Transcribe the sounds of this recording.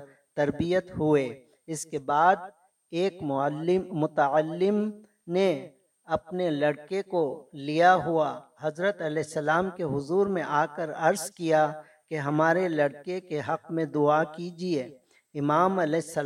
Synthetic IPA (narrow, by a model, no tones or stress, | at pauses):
t̪ɐɾbijət̪ɦʊe | ɪskebaːd̪ | eːkːɪmʊt̪əəlːɪm | ne | ɐpnelɐɽkekolijaɦuaɦɐzɾət̪ɐlɛɪsːɐlaːmkeɦʊzuːɾmẽʔaːkəɾɐɾzkija | keɦɐmaːɾelɐɽkekeɦɐqmẽd̪ʊakid͡ʒieː | ɪmaːmɐlɛɪsːə